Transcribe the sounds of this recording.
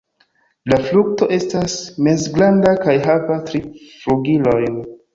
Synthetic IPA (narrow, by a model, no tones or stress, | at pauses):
lafluk̚to̞ʔe̞stasmezɡlandakajɦavatɾifluɡilo̞jn